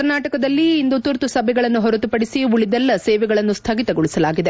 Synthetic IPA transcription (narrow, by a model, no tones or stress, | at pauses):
ɐɾnaːʈɐkɐd̪ɐlːiːnd̪ut̪uɾt̪usɐbʱɛɡɐɭɐnːuɦɔɾɐt̪upɐɽisiuɭid̪ɛlːɐsɛːʋɛɡɐɭɐnːust̪ʰɐɡit̪ɐɡɔɭisɐlaːɡid̪e